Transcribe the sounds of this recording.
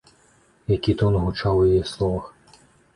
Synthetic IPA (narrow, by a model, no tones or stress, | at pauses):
jɐkʲit̪ɔnɦʊt͡ʃɑwjɐjislˠɔʋɐx